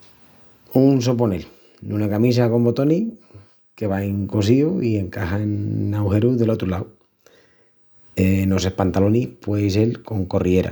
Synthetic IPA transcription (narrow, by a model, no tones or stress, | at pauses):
uns̬o̞p̬one̞l | nunakamis̬ako̞mbo̞t̪o̞ni | ke̞βaeŋko̞s̬iuie̞ŋkahanːawhe̞ɾuðe̞lo̞t̪ɾolaw | eno̞se̞hpant̪alo̞nihpwe̞s̬e̞lko̞ŋko̞rie̞ɾa̰